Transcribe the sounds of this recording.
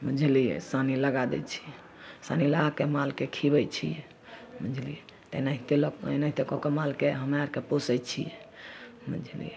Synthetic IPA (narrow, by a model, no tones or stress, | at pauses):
mə̃d͡ʒʱilḭsaniləɡad̪ɛ̰t͡ʃʰi̥ | sa̰niləɡakemalkekʰibɛt͡ʃʰḭ | mə̃d͡ʒʱlḭ | t̪enaɦit̪elɔknaɦit̪ekɔkemalkeɦəmaɾkeposɛt͡ʃʰḭɛmə̰̃d͡ʒʱəlḭ